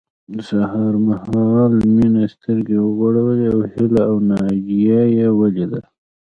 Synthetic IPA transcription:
sahɑɾmahɑlminast̪əɾɡewəɣoɽawəleawhɪlaawnɑd͡ʒijajewaled̪a

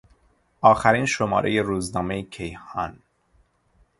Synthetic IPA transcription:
ʔɒːxæɾiːnʃomɒ̰ːɾḛjeɾuːznɒːmejcʰejhɒ̰ːn

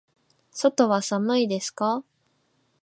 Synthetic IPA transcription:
so̞t̪o̞βasanoid̪e̞sɨ̥ka

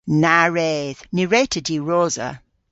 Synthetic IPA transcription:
naɹeːð̥niɹetʰədiɹɔːzə̰

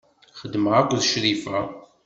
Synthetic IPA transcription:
χəd̪ːməʁakʷːðʃɾifæ

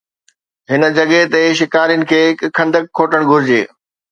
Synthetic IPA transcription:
ɦɪnə̆d͡ʑɐɠet̪eʃɪkaːɾijənɪ̆kʰeːkʰɐ̃nd̪əkʰːoːʈəɽ̃ɡʱʊɾɪd͡ʑḛː

